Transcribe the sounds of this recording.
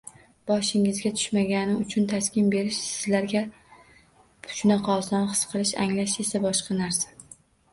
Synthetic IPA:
b̥ɒʃɪŋɪzɡʲat̪ʰʊ̥ʃmaɡʲanɪʊt͡ʃʰʊnt̪ʰaskʲɪnbe̞ɾɪʃsɪzlaɾɡʲa | ʃʊnɑqʰɒsɒnχɨ̥sqʰɨlˠɪʃa̰ŋlaʃe̞sabɒʃqɑnaɾsḁ

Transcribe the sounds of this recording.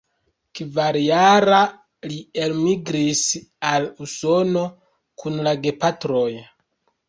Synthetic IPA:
kvaɾjaɾa | lielmiɡɾisaluso̞no̞ | kʰunlaɡe̞patɾo̞j

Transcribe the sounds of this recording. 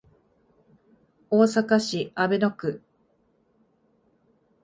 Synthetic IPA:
oːsakaɕiabe̞no̞kɯ̟

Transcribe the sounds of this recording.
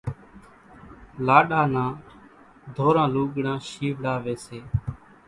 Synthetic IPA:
laːɗãːnãː | d̪ʱoːɾãːluːɠɽãːʃiːʋɽaːʋeːseː

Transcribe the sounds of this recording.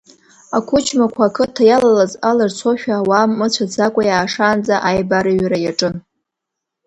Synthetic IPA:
akʷʰʊt͡ʃʰmakʷʰaːkʰɨtʰajalalazalart͡sʷʰoʃᶣaːwamːɨt͡ɕʷʰad͡zakʷʼajaːʂaːnd͡zaʔajbaɾɨɥɾajaʈ͡ʂʼɨn

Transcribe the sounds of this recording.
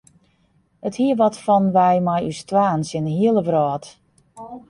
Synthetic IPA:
əthiəʋɔtfɔnʋɛjmajystʋaːnsɪnəɦiəlˠəbrɔːt

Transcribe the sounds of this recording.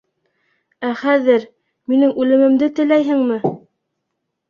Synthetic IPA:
æχæðɘɾ | minɘŋʉlɘ̆mɘ̆md̪ɘt̪ɘ̆læjɦɘŋmɘ

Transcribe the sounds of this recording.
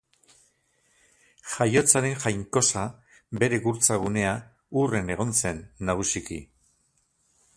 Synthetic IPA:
xajo̞t͡saɾe̞ŋxajŋko̞sa | be̞ɾe̞ɣuɾt͡saɣ̞une̞a | ure̞ne̞ɣ̞o̞nse̞nːaɣ̞usikḭ

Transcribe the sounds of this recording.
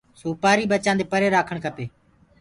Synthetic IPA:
soːpaːɾiːɓət͡ʃãːnd̪eːpəɾeːɾaːkʰəɳ̃kʰəpeː

